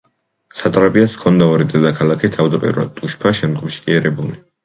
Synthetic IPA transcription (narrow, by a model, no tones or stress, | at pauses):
sat̪ʼɾapʼiaskʰɔnd̪aɔɾid̪ɛd̪akʰalˠakʰit̪ʰavd̪apʼḭɾuɾa̰d̪̚t̪ʼuʃpʰaʃɛmd̪ɡɔmʃi̥kʼiɛɾɛbuli